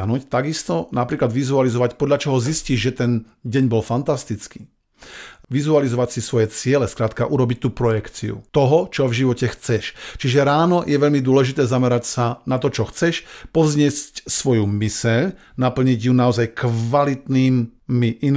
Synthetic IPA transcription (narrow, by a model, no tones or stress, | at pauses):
ɦnuːct̪aɡist̪ɔnapɾiːklad̪ʋizualizɔʋacpɔd̪ʎat͡ʃɔɦɔzisciʒʒɛt̪ɛn | ɟɛɲbɔlfant̪ast̪it͡skiː | ʋizualizɔʋacsisʋɔjɛt͡sɪɛlɛskɾaːt̪kaʔuɾɔbic̚t̪uːpɾɔjɛkt͡sḭṵt̪ɔɦɔt͡ʃɔvʒiʋɔcɛxt͡sɛʃt͡ʃiʒɛɾaːnɔjɛʋɛʎmid̪ʊɔlɛʒit̪ɛːzamɛɾacsanat̪ɔt͡ʃɔxt͡sɛʃpɔvzɲɪɛscsʋɔjumisɛʎ | napl̩ɲiɟjunaɔzajkʋalit̪niːmmiʔin